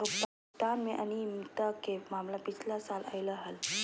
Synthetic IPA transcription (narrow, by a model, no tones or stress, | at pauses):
ukt̪ | t̪anmeʔañimt̪əkemamlapit͡sʰlasalʔa̰jləɦəl